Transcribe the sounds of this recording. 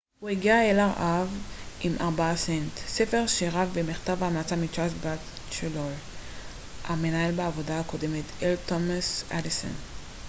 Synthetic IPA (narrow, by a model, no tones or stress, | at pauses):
hueɡiaelaʁʔavʔimʔaʁbaasent̪sefe̞ʁʃeʁavbemiχt̪avaamat͡samit͡ʃasbat | ʃelol | ʔamenaelbaavo̞daako̞demet̪ʰeltomasʔadiso̰n